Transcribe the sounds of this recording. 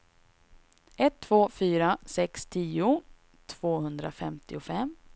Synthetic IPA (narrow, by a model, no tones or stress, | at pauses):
ʔɛt̪ʰːv̥oːfyːɾasɛkst̪ʰiːʊ | t̪ʰv̥oːhɵnd̪ɾa̰fɛmt̪ɪʊfɛm